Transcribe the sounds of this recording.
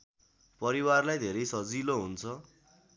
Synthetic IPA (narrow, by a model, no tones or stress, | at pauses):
pʌɾiwarlajd̪ʱeɾʌjsʌd͡ziloɦunt͡sʰʌ